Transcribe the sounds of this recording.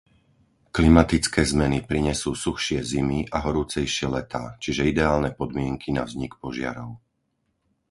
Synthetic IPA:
klimat̪it͡skɛːzmɛnipɾiɲɛsuːsuxʃɪɛzimiʔaɦɔɾuːt͡sɛjʃɪɛlɛt̪aːt͡ʃiʒɛid̪ɛaːlnɛpɔd̪mɪɛŋkʰina̰vzɲikpɔʒɪa̰ɾɔʊ

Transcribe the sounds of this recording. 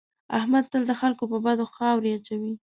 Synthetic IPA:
a̰hmad̪̚t̪əld̪əxalkopəbad̪oxɑwɾeat͡ʃawi

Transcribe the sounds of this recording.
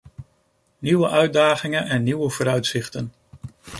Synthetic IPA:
niʋəʔœɥdaːχɪŋənʔɛnːiwəvoːɾœɥtsɪχtən

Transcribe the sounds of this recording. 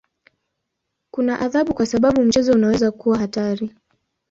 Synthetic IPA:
kunaʔaðaɓukwasaɓaɓum̩t͡ʃɛzɔunawɛzakuwahataɾi

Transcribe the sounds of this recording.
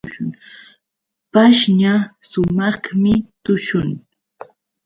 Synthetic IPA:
ʃʊŋ | paʃɲasʊmɑχmɪt̪ʊʃʊŋ

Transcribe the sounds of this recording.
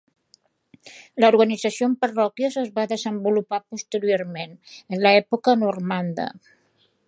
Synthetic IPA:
ləuɾɣənid͡zəsiompərɔkjəzəzβaðəzəmbulupapust̪əɾijoɾmenənləɛpukənurmand̪ə̰

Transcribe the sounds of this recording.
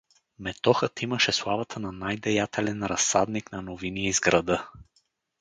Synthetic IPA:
mɛt̪ɔxət̪imɐʃɛslˠavɐt̪ʰənɐnajd̪ɛjat̪ʰɛlɛnɾɐsːad̪niknɐnoviniizɡɾɐd̪ɤ

